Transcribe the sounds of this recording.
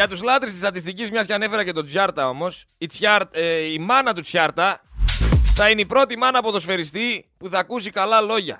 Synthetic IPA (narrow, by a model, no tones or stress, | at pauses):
ɐt̪uzlɐt̪ɾist̪ist̪ɐt̪ist̪icizmɲɐscɐne̞fe̞ɾɐce̞t̪o̞d͡zjɐɾt̪ɐo̞mo̞s | it͡sɐɾimɐnɐt̪ut͡sçɐɾt̪ɐ | θɐineipɾo̞t̪imɐnɐpot̪o̞sfe̞ɾist̪ipuθɐkusikɐlɐlo̞ʝɐ̰